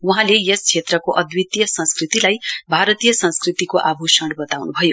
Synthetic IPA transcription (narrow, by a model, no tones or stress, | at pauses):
uɦãlejest͡ʃʰet̪rʌkoʔʌd̪wit̪jʌsʌ̃nskrit̪ilajbʱaɾʌt̪ijʌsʌ̃nskrit̪ikoʔabʱusʌɽbʌt̪awnubʱʌjo